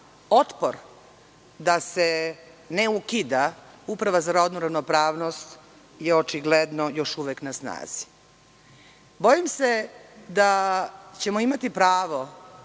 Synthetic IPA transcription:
o̞t̪poɾ | d̪ase | neukid̪a | upɾaʋazaɾod̪noɾaʋnopɾaːʋnost̪ | jeot͡ʃiɡled̪nojo̞ʃuʋeknasna̰ːz̥i̥ | bojimsed̪at͡ɕe̞moimat̪ipɾaːʋo̞

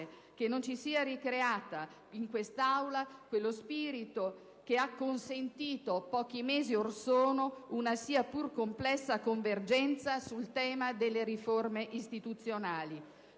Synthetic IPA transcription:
e | kenːont͡ʃisiːaɾikɾeaːt̪a | iŋkwest̪awlakwelːospiːɾit̪o | k̟eakːonsent̪iːt̪opɔːk̟imeːziorsoːnounasiːapurkomplɛsːakoɱverd͡ʒɛnt̪sasult̪ɛːmad̪elːeɾiformeʔist̪it̪ut̪sːjonaːli

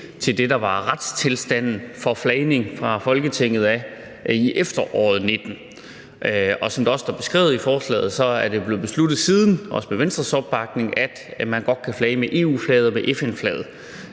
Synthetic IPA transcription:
t͡sʰe̝ld̥e̝dɑ̈ʋɑ̈ʁad̥st͡sʰe̝lsd̥æn̰n̩fɒ̽flɛɪne̝ŋfʁɑ̈fɒ̽lɡ̥ət͡sʰeŋ̰ð̞̩ˠæ | iʔefd̥ɐʔɒ̰ːð̞̩ˠne̝d̥n̩ | ɒ̽sɒ̽md̥eɒ̽sd̥ɑ̈b̥e̝sɡ̥ʁɛ̰ʊð̩ˠifɒːslɛ̰ːð̩ˠsɒ̽æɐd̥eb̥le̝b̥e̝slud̥ð̞̩ˠsiːð̞ˠn̩ɒ̽sə̥meʋensd̥ʁɐsɒ̽b̥̚ːɑ̈ɡ̥ne̝ŋæd̥mænɡ̥ɒ̽d̥̚kʰæflɛɪmeʔe̝̰ːuːflɛːð̞ˠɐmeʔefenflɛ̰ːð̩ˠ

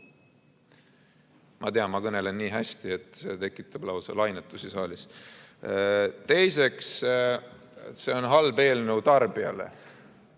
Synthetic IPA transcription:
mʔɑt̪e̞ɑnmɑkɤne̞lenːiːɦæsʲt̪ie̞t̪ˑset̪e̞kːˑit̪ːˑɑb̥lɑwsɑ̰lɑjnet̪ːˑusisɑːlis | t̪e̞jse̞ks | se̞o̞nɦɑlbe̞ːlnut̪ɑrb̥iɑ̰le̞̰

